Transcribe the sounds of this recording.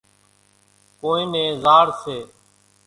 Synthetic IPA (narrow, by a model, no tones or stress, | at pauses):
koːĩːnẽːzaːɽseː